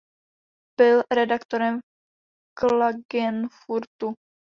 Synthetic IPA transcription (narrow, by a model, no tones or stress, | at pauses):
b̥ɪlɾɛdakt̪oɾɛm | klaɡɛnfuɾt̪u